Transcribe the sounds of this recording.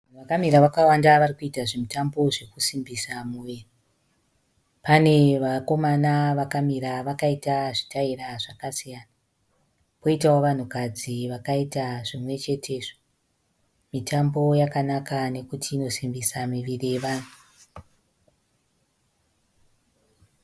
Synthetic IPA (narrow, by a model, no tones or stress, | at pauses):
ʋan̤uʋakamiɾaʋakawandaʋarikuitaʐemitambo̞ʐekusimbisamuʋeri | pane̞ʋako̞manaʋakamiɾaʋakaitaʐitairaʐakasijana | po̞itawoʋan̤ukad͡ziʋakaitaʐimwe̞t͡ʃe̞tʰe̞ʐo | mitʰambo̞jakanakane̞kutʰiːno̞simbisamiʋirieʋaːnu